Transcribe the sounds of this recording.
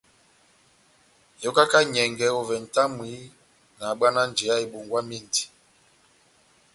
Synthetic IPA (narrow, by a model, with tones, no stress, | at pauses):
jɔ˦ka˦ka˦ɲɛ˨ŋɡɛ˨˦ɔ˨vɛ˨n̩˨ta˦mwi˨˦ | na˨ɓa˦na˦n˨d͡ʒe˨a˦e˨ɓo˨ŋɡwa˦mi˦˨ndi̥˨